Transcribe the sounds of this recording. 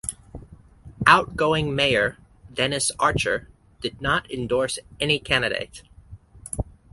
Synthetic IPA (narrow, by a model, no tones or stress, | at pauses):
ʔaʊt̚ɡ̥oʊɪ̃ŋmeɪə˞ | dɛnɨsɑɹt͡ʃə̰˞ | d̥ɨdⁿnəɾɨ̃ndɔɹsɛnikʰænɨɾḛɪt